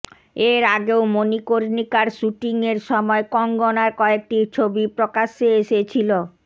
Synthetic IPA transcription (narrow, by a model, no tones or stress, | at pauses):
eɾaɡeomonikoɾnikaɾʃuʈiŋeɾʃɔmɔekɔŋɡɔnaɾkɔek̚ʈit͡ɕʰobipɾokaʃːeeʃet͡ɕʰilo